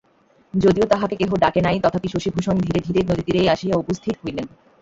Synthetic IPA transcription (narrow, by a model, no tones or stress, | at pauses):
d͡ʑod̪iot̪aɦakekeɦoɖakenajt̪ɔt̪ʰapiʃoʃibʱuʃond̪ʱiɾed̪ʱiɾeɾnod̪id̪iɾeaʃijaopost̪ʰit̪ɦojlen